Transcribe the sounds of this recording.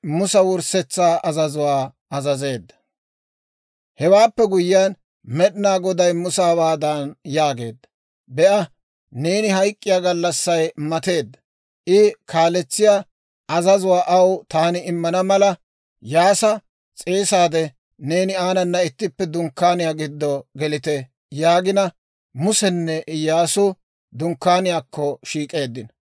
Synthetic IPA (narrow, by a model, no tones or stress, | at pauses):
mʊsɐwʊɾsɛt͡sːaːʔɐzɐzʊwaː | ɐzɐze̞ːd̪ːɐ̥ | hɛwaːpːɛɡʊjɪan | mɛɗɪnaːɡɔd̪ɐjmʊsaːbaːd̪aːnjaːɡe̞̰ːd̪ːɐ | bɛʔɐ | ne̞ːnɪɦɐjkʼːɪjaːɡɐlːɐsːɐjmɐt̪e̞ːd̪ːɐ | ʔɪkʰaːlɛt͡sːɪjaː | ɐzɐzʊwaːʔɐwt̪aːnɪɪmːɐnɐmɐlɐ | jaːsɐ | t͡sʼeːsaːd̪ɛ | ne̞ːnɪaːnɐnːɐɪt̪ːɪpːɛd̪ʊŋkːaːnɪjaːɡɪd̪ːɔɡɛlɪt̪ɛ | jaːɡɪnɐ | mʊsɛnːɛʔɪjaːsʊ | d̪ʊŋkːaːnɪjaːkːɔʃiːkʼe̞ːd̪ːɪn